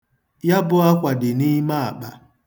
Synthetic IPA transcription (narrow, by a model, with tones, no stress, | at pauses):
ja˦bʊ˦a˦kʷa˨dɪ˨ni˦ma˦a˨k͡pa˨